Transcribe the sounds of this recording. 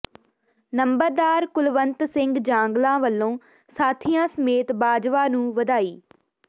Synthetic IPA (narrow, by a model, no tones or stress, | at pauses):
nəmbəɾd̪aːɾkʊlʋənt̪sɪŋɡd͡ʒãːŋɡlãːʋəlːõː | saːt̪ʰijãːsəmeːt̪baːd͡ʒʋaːnũːʋəd̪aːiː